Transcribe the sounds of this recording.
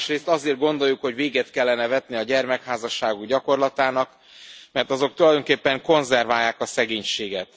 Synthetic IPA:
ʃreːst̪ɒzeːrd̪̚ɡo̞nd̪o̞jːukho̞ɟveːɡɛt̪kɛlːɛnɛvɛt̪niɒɟɛrmɛkhaːzɒʃːaːɡuɡɟɒko̞rlɒt̪aːnɒk | mɛrt̪ɒzo̞k̚t̪ulɒjd̪o̞ŋkeːpːɛŋko̞nzɛrvaːjːaːkɒsɛɡeːɲʃeːɡɛt̪

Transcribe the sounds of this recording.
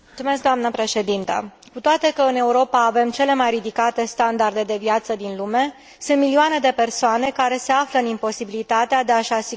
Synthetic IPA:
mut̪sume̞sk̚d̪oamnəpɾe̞ʃe̞d̪int̪ə̰ | kut̪oat̪e̞kəɨne̞uɾo̞paːve̞mt͡ʃe̞le̞majrid̪ikat̪e̞st̪and̪ard̪e̞d̪e̞vjat̪səd̪inlume̞ | sunt̪milioane̞d̪e̞pe̞rsoane̞kaɾe̞se̞afləɨnimpo̞sibilit̪at̪ead̪eaʃasi

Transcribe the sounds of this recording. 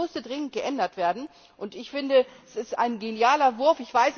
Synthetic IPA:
ʊstədʁɪŋən̩t̚ɡ̥əʔɛndɐtv̥eːɐdn̩ | ʔʊntɪçfɪndəɛsɪsta̰ɪnɡenjaːlɐvʊɐfɪçv̥aɪs

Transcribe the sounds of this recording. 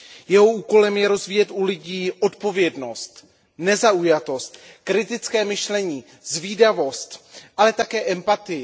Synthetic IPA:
jɛɦo̞uːko̞lɛmjɛɾo̞zviːjɛt̪ʔulɪɟiːʔo̞t̪po̞vjɛdno̞st̪ | nɛzaujat̪o̞st̪ | kɾɪt̪ɪt͡skɛːmɪʃlɛɲiː | zviːdavo̞st̪ʔalɛt̪akɛːʔɛmpat̪ɪ

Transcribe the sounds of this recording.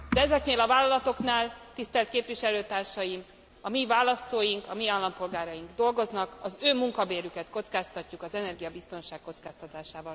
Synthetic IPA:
d̪ɛɛzɛkneːlɒvaːlːɒlɒt̪o̞knaːlt̪ist̪ɛlt̪̚keːpviʃɛløːt̪aːrʃɒjim | ɒmivaːlːɒst̪oːjiŋkɒmiaːlːɒmpo̞lɡaːɾɒjiŋɡd̪o̞lɡo̞znɒkɒzøːmuŋkɒbeːɾykɛt̪ko̞t̪skaːst̪ɒcːukɒzɛnɛrɡijɒbist̪o̞nʃaːkːo̞t̪skaːst̪ɒt̪aːʃaːvɒl

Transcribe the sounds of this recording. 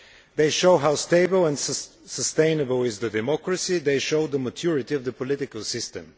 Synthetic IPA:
ðeɪʃoʊɦaʊst̪eɪbəlˠɛ̃n | səst̪ẽɪ̃nəbəlˠɪzðədɛmɔkɹəsid̪eɪʃoʊd̪əmət̪ʰjʊɹɪt̪iəvðəpɔlɪtɪkəlˠsɪst̪ɨ̰̃m

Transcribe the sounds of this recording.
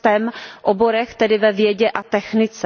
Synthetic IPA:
t̪ɛmʔobo̞ɾɛxt̪ɛdɪvɛvjɛɟɛʔat̪ɛxnɪt͡sɛ

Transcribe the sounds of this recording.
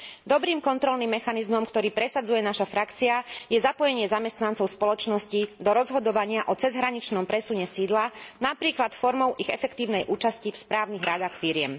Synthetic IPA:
d̪ɔbɾiːmkɔnt̪ɾɔlnimːɛxanizmɔmkt̪ɔɾiːpɾɛsad͡zujɛnaʃafɾakt͡siajɛzapɔjɛɲɪɛzamɛst̪nant͡sɔʊspɔlɔt͡ʃnɔscid̪ɔɾɔzɦɔd̪ɔʋaɲɪaʔɔt͡sɛzɦɾaɲit͡ʃnɔmpɾɛsuɲɛsiːd̪lanapɾiːklat̪fɔɾmɔʊʔiɣɛfɛkt̪iːʊnɛjʔuːt͡ʃascifspɾaːʊniɣɾad̪axfiɾɪɛm

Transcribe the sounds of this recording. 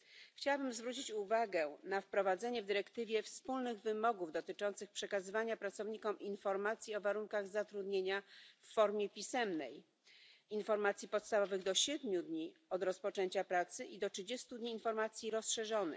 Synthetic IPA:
xt͡ɕawabɘmzvɾut͡ɕit͡ɕuvaɡɛnafpɾɔvad̪zɛɲɛvd̪ɘɾɛkt̪ɘvʲjɛfspulnɘɣvɘmɔɡuvd̪ɔt̪ɘt͡ʂɔnt̪sɘxpʂɛkazɘvaɲapɾat̪sɔvɲikɔminfɔɾmat̪sʲjiɔvaɾuŋkaɣzat̪ɾud̪ɲeɲafːɔɾmʲjɛpʲisɛmnɛ̰j | infɔɾmat̪sʲjipɔt̪st̪avɔvɘɣd̪ɔɕɛd̪mʲud̪ɲiɔd̪ɾɔspɔt͡ʂɛɲt͡ɕapɾat̪sɘʔid̪ɔtʂɘd͡ʑɛst̪ud̪ɲiːnfɔɾmat̪sʲjiɾɔsʂɛʐɔnɘ̰x

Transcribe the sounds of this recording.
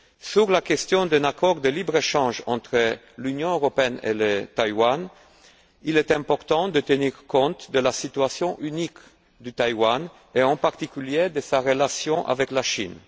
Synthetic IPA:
syʁlakɛst̪jɔ̃d̪ɛ̃nakɔʁd̪əlibʁeʃɑ̃ʒɑ̃t̪χə | lynjɔ̃øʁɔpeɛnḛlət̪ajwan | ilɛt̪ɛ̃pɔʁt̪ɑ̃d̪ət̪əniʁkɔ̃t̪d̪əlasit̪yasjɔ̃ʔynik | d̪yt̪ajwan | eɑ̃paʁt̪ikʲyljed̪əsaʁəlasjɔ̃ʔa̰vɛklaʃin

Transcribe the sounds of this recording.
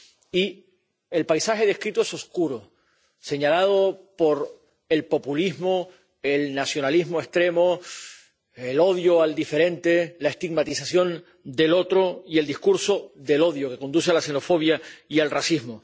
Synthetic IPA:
i | e̞lpajsaxe̞ðe̞hkɾit̪oeso̞skuɾo | se̞ɲalaðopo̞ɾ | e̞lpo̞puliɦmo | elnasjo̞naliɦmoe̞st̪ɾe̞mo | elo̞ðjoald̪ife̞ɾẽ̞nt̪elae̞st̪iɡmat̪isasjo̞n | d̪e̞lo̞t̪ɾoie̞ld̪ihkuɾso̞ðe̞lo̞ðjoke̞ko̞nd̪usealase̞no̞fo̞β̞jaialrasiɦmo

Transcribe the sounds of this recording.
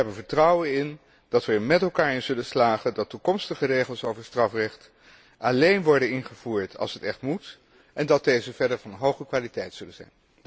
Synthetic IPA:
əɦɛbənvəɹtrʌwənɪn | d̥ɑtʋəmɛtɛlˠkaːɹɪnzɵləslaːχədɑtːukɔmstəχərejχəlˠsowvəɹstrɑfrɛχt | ʔalejnʋɔɹdənɪnχəv̥uːɹtʰɑ̰lˠsɦətɛχtmut | ɛndɑt̚dejzəvɛɹdəɹvɑnɦowχəkʋaːlitɛjtsɵlənzɛ̰jn

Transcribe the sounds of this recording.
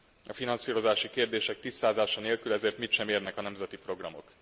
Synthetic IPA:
ɒfinɒnsiːɾo̞zaːʃikeːrd̪eːʃɛk̚t̪iːsːaːzaːʃɒneːlkylɛzeːrt̪mit̪ʃɛmeːrnɛkɒnɛmzɛt̪ipro̞ɡrɒmo̞̰k

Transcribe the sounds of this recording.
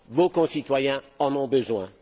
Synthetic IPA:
vokɔ̃sit̪wajɛ̃ | ɑ̃nɔ̃bəzwɛ̃

